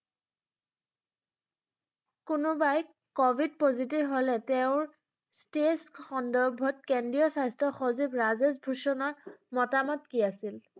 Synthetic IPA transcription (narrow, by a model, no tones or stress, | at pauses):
kʊnʊbaj | kɔbʱid̚pozit̬ibɦɔlɛteʊ̃ɹ | stesxɔndɔɹbʱɔt̚kɛndijɔsajstɔxozibɹazesbʱusɔnɔɹmɔtamɔtkiasil